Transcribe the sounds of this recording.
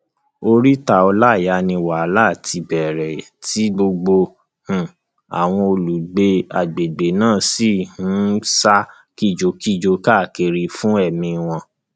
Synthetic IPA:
o˧ɾi˦ta˧ɔ˧la˦˨ja˨˦nĩ˧wa˨a˦la˦˨tʰi˧bɛ˨ɾɛ˨ti˨˦ɡ͡bo˧ɡ͡bo˧ | hũ˨ | a̰˨w̃ɔ̃˧o˧lu˨˦ɡ͡be˧a˨ɡ͡be˨ɡ͡be˨nãː˦˨si˦˨hũ˨˦sa˦ | ki˦˨d͡ʒo˧˦ki˦˨d͡ʒo˧˦ka˦˨ke˧ɾi˧fũ˦ɛ˦˨mĩ˧w̃ɔ̃˧

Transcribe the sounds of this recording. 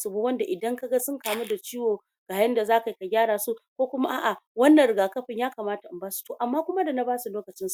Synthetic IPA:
sʊ˨bu˦wɐ˦nda˨ʔɪ˨dɐ˦ŋka˦ɡa˦sʊ˦ŋkaː˨mu˦da˨t͡ʃiː˦woː˨ | ɡ̥aː˨jɐ˦nda˨zaː˦ka˨ji˨ka˨ɡʲaː˦ɽaː˨su˦kʷoː˦kʷʊ˦ma˦ʔa̰ː˦˨ʔa˨wɐ˦nːɐ˨ɾɪ˨ɡaː˨kɐ˦ɸɪ˨ɲjaː˦kaː˨maː˦ta˨ʔa˨mbaː˦su̥˨toː˨ʔa˨mːaː˦kʷʊ˦ma˦da˨na˦baː˦su˨loː˦kɐ˨t͡ʃɪ˦su̥˨

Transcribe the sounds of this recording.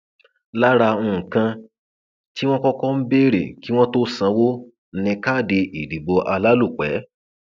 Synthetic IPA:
la˦ɾa˧ũ˧˨kã˧ | ti˦w̃ɔ̃˦kɔ˦kɔ˦m̩˦be˦ɾḛ˨ki˨˦w̃ɔ̃˦to˦sã˧wo˦ | n̩˦nĩ˧ka˦˨de˧ʔi˨di˨˦bɔ˧ʔa˧la˦lu˦˨k͡pɛ̰˨˦

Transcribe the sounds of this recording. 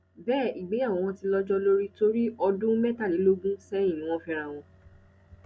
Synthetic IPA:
bɛː˦˨i˨ɡ͡be˨˦a˦˨wɔ̃˧w̃ɔ̃˧ti˧lɔ˧˦d͡ʒɔ˦lo˦ɾi˦to˦ɾi˦ɔ˧dũ˦mɛ˦ta˦˨li˨˦lo˦ɡũ˦sɛ̃˦ĩ˦˨nĩ˨˦w̃ɔ̃˦fĩ˧ɾ̃a˦˨w̃ɔ̃˧

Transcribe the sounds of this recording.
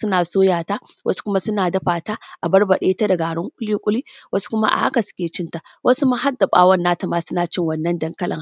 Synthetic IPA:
sʊ˦naː˨soː˦jaː˨ta˦wʔɐ̰˦su̥˦kʷʊ˦ma˦sʊ˦naː˨dɐ˦ɸaː˨taː˦ʔa˨bɐ˦rbɐ˨ɗeː˦ta˦da˨ɡaː˨ɽʊ˦ŋkʷʼʊ˦liː˦kʷʼʊ˦li˦wɐ˦su̥˦kʷʊ˦ma̰˦ʔa̰˨ʔa̰˦ka˨sʊ̥˦kʲeː˨t͡ʃɪ˦nta˨wʔɐ˦su˦ma˦ɦa˦dːa˨ɓa̰ː˦wɐ˦nːaː˦ta˨maː˦sʊ˦naː˨t͡ʃɪ˦ŋwɐ˨nːɐ˦ndɐ˦ŋkɐ˦lʔɐ̰˨ŋ

